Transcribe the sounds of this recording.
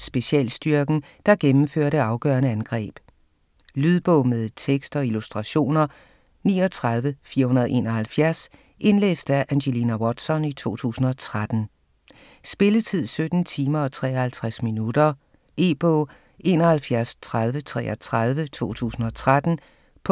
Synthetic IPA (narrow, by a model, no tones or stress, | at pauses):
sb̥e̝ɕiɛ̰ːlsd̥yɐɡ̥n̩ | d̥ɑ̈ɡ̥emm̩føːɐ̰ɾəɑ̈ʊɡ̥œ̰ɐnəænɡ̥ʁɛ̰ːb̥ | lyðˠb̥ɔʊmeðˠt͡sʰeɡ̥sd̥ɒ̽ilusd̥ʁɑ̈ɕo̝̰ːnɐ | nḭːɒ̽t͡sʰʁɑ̈ð̞ˠʋəfiːɐhunɐðˠe̝̰ːnɒɦælfjæɐs | ʔe̝nlḛːsd̥æʔænɕeliːnæwɒd̥sɒ̽nit͡sʰo̝̰ːt͡sʰṵːsn̩ɒ̽t͡sʰʁad̥n̩ | sb̥e̝lət͡sʰið̞̰ˠsød̥n̩t͡sʰiːmɐɒt͡sʰʁɛ̰ːɐhælt͡sʰʁasminud̥ɐ | ʔe̝ːb̥ɔʊ | ʔe̝̰ːnɐhælfjæɐst͡sʰʁɑð̞ˠʋət͡sʰʁɛ̰ːɐt͡sʰʁɑð̞ˠʋət͡sʰo̝̰ːt͡sʰṵːsn̩ɒ̽t͡sʰʁad̥n̩ | pʰ